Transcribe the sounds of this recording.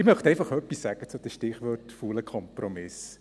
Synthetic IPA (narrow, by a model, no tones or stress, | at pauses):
ɪmœχt̪ɛɪfɑχœpːisːæɡ̥ət͡sʊd̥̪əʃtɪχʋɔtfuləkʰɔmpɾɔmɪs